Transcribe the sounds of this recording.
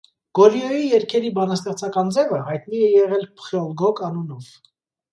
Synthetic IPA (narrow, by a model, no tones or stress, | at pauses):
ɡ̥ɔliɔjijɛɾkʰɛɾibɑnɑst̪ɛχt͡sʰɑkɑnd͡zɛvəhɑjt̪niɛjɛʁɛlpχiɔlɡɔkɑnunɔv